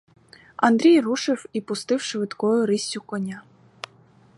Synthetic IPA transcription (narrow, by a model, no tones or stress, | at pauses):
ɐ̰nd̪ɾʲijruʃɪwipʊst̪ɪwʃʋɪt̪kɔjʊɾisʲʊkɔnʲa